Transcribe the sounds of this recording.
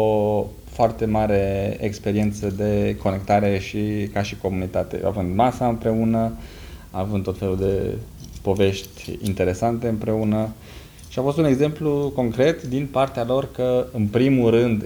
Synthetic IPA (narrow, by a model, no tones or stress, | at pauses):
o | foart̪e̞maɾe̞ekspe̞ɾie̞nt̪səd̪e̞kʰo̞ne̞k̚t̪aɾe̞ʃikaʃiko̞munit̪at̪e̞̰a̰vɨnd̪masaɨmpɾe̞unə | avɨnd̪o̞t̪fe̞luld̪e̞̰ | po̞ve̞ʃt̪ʲḭnt̪e̞ɾe̞sant̪e̞ɨmpɾe̞unə | ʃiafo̞st̪une̞ɡze̞mpluko̞ŋkɾe̞t̪d̪inpart̪ealo̞rkəɨnpɾimulɾɨnd̪